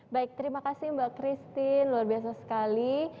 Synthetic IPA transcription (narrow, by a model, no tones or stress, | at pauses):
baɪk̚t̪əɾimakasɪmbakɾist̪ɪnluarbiasasə̥kali